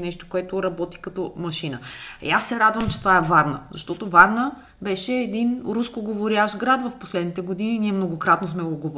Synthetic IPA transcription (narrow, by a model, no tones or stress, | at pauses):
nɛʃt̪o̥koɛt̪oɾɐbɔt̪i̥kɐt̪ɔmɐʃinəjasːɛɾad̪vəmt͡ʃɛ̥t̪ovaɛvaɾnəzɐʃt̪ɔt̪ovaɾnə | bɛʃɛːd̪inɾuskoɡovoɾjaʒɡɾad̪vɐfposlɛd̪nit̪ɛɡod̪ininiɛmnoɡokɾat̪nosmɛoɡov